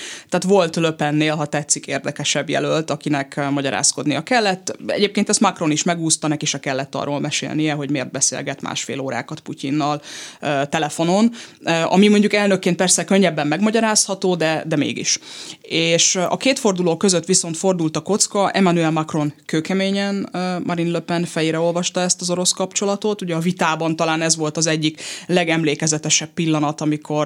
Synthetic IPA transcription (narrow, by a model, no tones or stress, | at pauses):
t̪ɛaːt̪ʋo̞lt̪løpɛnːeːlɦɒt̪ɛt̪sːikeːrd̪ɛkɛʃɛbjɛ̰lølt̪ɒkinɛkmɒɟɒɾa̰ːsko̞d̪nijɒkɛlːɛt̪ːɛ̰ɟeːpkeːnt̪ɛst̪mɒkro̞niʃmɛɡuːst̪ɒnɛkeːʃɒkɛlːɛt̪ːɒ̰rːo̰ːlmɛʃḛːlnijɛɦo̞ɟmeːrd̪̚bɛsḛːlɡɛt̪ma̰ːʃfḛːloːɾa̰ːkɒt̪pucinːɒløːt̪ɛlɛfo̞no̞nøʔɒ̰mimo̞ɲɟukɛlnø̞kːeːnt̪pɛrsɛkø̞ɲːɛbːɛmːɛɡmɒɟɒɾaːshɒt̪oːd̪ɛd̪ɛmḛːɡḭʃeːʃɒ̰keːt̪fo̞rd̪uloːkø̞zøt̪ʋiso̞nt̪fo̞rd̪ult̪ɒko̞t̪skɒʔɛmanuɛlmɒkro̞nkøːkɛmeːɲɛnmʔɒɾinløpɛnfɛjeɾɛo̞lvɒʃt̪ɒɛst̪ɒzo̞ɾo̞skɒpt͡ʃo̞lɒt̪o̞t̪uɟɛɒvit̪aːbɒnt̪ɒlaːnɛzʋo̞lt̪ɒzɛɟːiklɛɡɛmleːkɛzɛt̪ɛʃɛpːilːɒnɒt̪ɒmikʰo̞r